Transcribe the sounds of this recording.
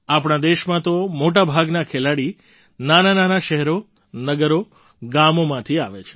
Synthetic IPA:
apɽ̃ad̪eʃmãt̪omoʈabʱaɡnakʰelaɽi | nanananaʃɛɦɛɾo | nəɡəɾo | ɡamomãt̪ʰiaʋet͡ʃʰe̥

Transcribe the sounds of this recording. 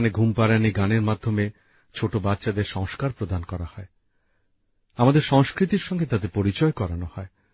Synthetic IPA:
neɡʱumpaɾaniɡaneɾmad̪ʱːome | t͡ɕʰoʈobatːɕad̪eɾʃɔŋskaɾpɾod̪ankɔɾahɔe | amad̪eɾʃɔŋskɾit̪iɾʃɔŋɡet̪at̪epoɾit͡ɕɔekɔɾanohɔe

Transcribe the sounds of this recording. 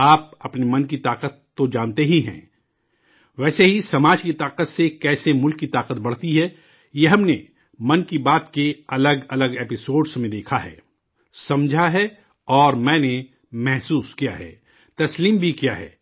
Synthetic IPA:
aːp̚ɐpnemɐnkit̪aːqət̪ːod͡ʒaːnt̪eɦiɦɛ̰̃ː | ʋɛːseɦisɐmaːd͡ʒkit̪aːqət̪sekɛːsemʊlkːit̪aːqət̪bɐɽ̤t̪iɦɛ | jeɦɐmne | mɐnkibaːt̪keɐləɡɐləɡeːpɪsoːɖsmẽd̪eːkʰaɦɛ̰ː | sɐmd͡ʒʱaɦɛ | ɔːɾmɛ̃ːne | mɛɦsuːskija̰ɦɛ̰ː | t̪ɐsliːmbʱikijaɦɛ̰ː

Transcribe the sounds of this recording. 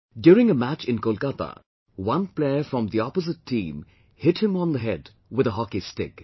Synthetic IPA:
djʊːɾɪ̃ŋəmæt͡ʃɪ̃nkolkat̪a̰ | wʌ̃npleɪəfɹɔ̃md̪iɔpəzɨtʰːĩːm | hɪthɨ̃mə̃nðəɦɛd | wɪðəɦɑkistɪ̰k

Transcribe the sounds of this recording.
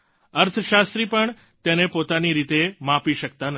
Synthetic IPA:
əɾt̪ʰəʃast̪ɾipəɳ | t̪enepot̪aniɾit̪emãpiʃək̚t̪an

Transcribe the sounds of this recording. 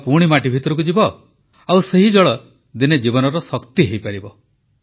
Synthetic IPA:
puɽ̃imaʈibʱit̪ɔɾɔk̬ud͡ʒibɔ | awseɦid͡ʒɔɭɔ | d̪ined͡ʒibɔnɔɾɔsɔkt̪iɦejpaɾibɔ

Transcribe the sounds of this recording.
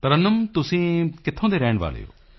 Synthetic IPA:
t̪əɾənəmt̪ʊsĩːkɪt̪ʰːõːd̪eːɾɛːɳʋa̰ːlḛːo̰ː

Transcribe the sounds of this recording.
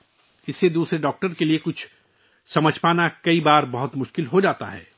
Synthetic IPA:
ɪsːed̪uːsɾeɖɔːk̚ʈəɾkeliekʊt͡ʃʰ | sɐməd͡ʒʱpaːnakɐibaːɾbɐɦʊt̪mʊʃkɪlɦod͡ʒaːt̪a̰ɦɛ̰ː

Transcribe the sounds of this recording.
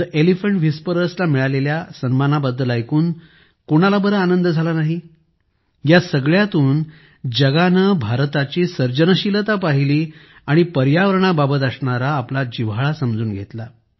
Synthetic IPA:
ʔelifəɳʈʋispəɾəslamiɭaleljasənmanabəd̪ʱːəlajkuːn | koɽ̃alabəɾəanənd̪əd͡zʱalanaɦi | jasəɡɭjat̪uːn | d͡ʑəɡanəbʱaɾt̪at͡ɕiːsəɾd͡ʑənəɕilət̪apaɦiliː | aɽ̃ipəɾjaʋəɾɳ̃ababət̪̬əsɳaɾaːplad͡ʑiʋaɭasəmd͡zuːnɡʱet̪la

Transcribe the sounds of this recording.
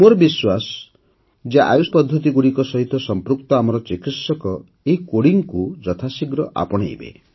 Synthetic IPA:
moɾɔbiswasɔ̥ | d͡ʒaʔa̰juspɔd̪ʱːɔt̪iɡuɽikɔsɔɦit̪ɔsɔmpɾuk̚t̪ɔamɔɾɔt͡ʃikit̪sɔkɔ | eɦikoɽiŋkud͡ʒɔt̪ʰasiɡɾɔʔa̰pɔɽ̃ḛjbḛ

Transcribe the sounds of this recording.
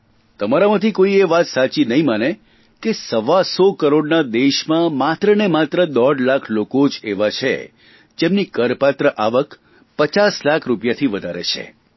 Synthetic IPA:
t̪əmaɾamãt̪ʰikoieʋat̪sat͡ʃinəɦĩmane | kesəʋasɔkəɾoɖnad̪eʃmãmat̪ɾənemat̪ɾəd̪ɔɖlakʰlokod͡ʒeʋat͡ʃʰḛ | d͡ʒemnikəɾpat̪ɾəʔaʋək | pət͡ʃaslakʰɾupjat̪ʰiʋəd̪ʱaɾḛt͡ʃʰḛ

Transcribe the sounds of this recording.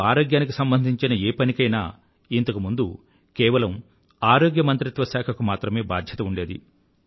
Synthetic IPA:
aːɾoːɡjaːnik̬isɐmbɐnd̪ʱiɲt͡ʃinɐeːpɐnikɐjna̰ː | int̪ɐkumund̪u | kɛːʋɐlɐm | aːɾoːɡjɐmɐnt̪ɾit̪ʋɐsaːkʰɐkumaːt̪ɾɐme̞ːba̰ːd̪ʱjɐt̪ɐuɳɖe̞ːd̪ḭ

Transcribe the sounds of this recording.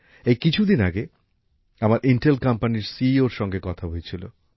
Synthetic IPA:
ejkit͡ɕʰud̪inaɡe | amaɾʔiɳʈelkampaniɾsioɾʃɔŋɡekɔt̪ʰabojet͡ɕʰilo̰

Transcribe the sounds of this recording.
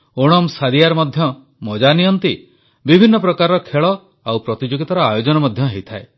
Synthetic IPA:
oɽ̃ɔmsaɾijaɾɔmɔd̪ʱjɔ | mɔd͡ʒaniɔnt̪i | bibʱinːɔpɾɔkaɾɔɾɔkʰeɭɔ | awpɾɔt̪id͡ʒoɡit̪ɔɾɔajod͡ʒɔnɔmɔd̪ʱjɔɦejt̪ʰae

